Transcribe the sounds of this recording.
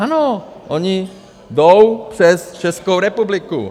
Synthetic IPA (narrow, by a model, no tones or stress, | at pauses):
anoʔɔɲi | d̪ɔʊprɛst͡ʃɛskoʊɾɛpublikṵ